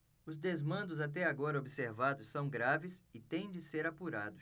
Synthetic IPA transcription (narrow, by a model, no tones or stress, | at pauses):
ʊzd̪ezmɐ̃nd̪ʊzat̪ɛaɡɔɾɐobiseɾvad̪ʊsːɐ̃w̃ɡɾavɪsɪt̪ẽj̃d͡ʒɪseɾapuɾa̰d̪ʊs